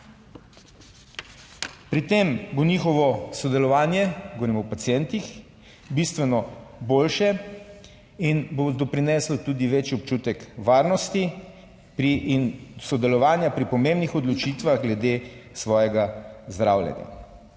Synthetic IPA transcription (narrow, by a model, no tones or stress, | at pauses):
pɾit̪emboniːxɔʋɔsɔd̪ɛlɔʋaːnjɛɡɔʋɾimɔwpat̪sjɛnt̪ix | bist̪ʋɛnɔboːlʃɛ | inbod̪ɔpɾinɛːslɔt̪uːd̪iʋet͡ʃjɔp̚t͡ʃuːt̪ɛkʋaːɾnɔst̪i | pɾiːnsɔd̪ɛlɔʋaːnjapɾipɔmembnixɔd̪lɔt͡ʃiːt̪ʋaɣɡlɛd̪esʋɔːjɛɡazd̪ɾaːwljɛ̰nja̰